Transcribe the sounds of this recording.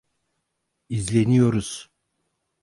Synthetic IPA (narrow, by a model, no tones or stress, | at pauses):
izlʲenijo̞ɾuz̥